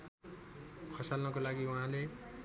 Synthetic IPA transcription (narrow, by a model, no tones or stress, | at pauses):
kʰʌsalnʌkolaɡiuɦãle